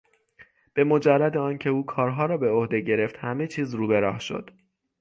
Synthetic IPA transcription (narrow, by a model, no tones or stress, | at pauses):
b̥e̞mo̞d͡ʒærːæd̪eɒːncʰe̞uːkʰɒːɾɦɒːɾɒːbe̞o̞hd̪e̞ɟe̞ɾe̞ft̪hæme̞t͡ʃʰiːzɾuːbe̞ɾɒːhʃo̞̰d̪̥